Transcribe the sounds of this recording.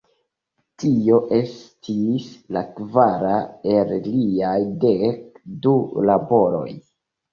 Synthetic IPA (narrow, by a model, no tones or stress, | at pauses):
tʰio̞ʔe̞stʰislakvaɾaelliajdekdulabo̞ɾo̞̰j